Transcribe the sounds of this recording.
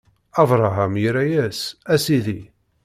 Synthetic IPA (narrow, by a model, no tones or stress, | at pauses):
ɑvɾˤɑɦamjiɾæjæsæsiði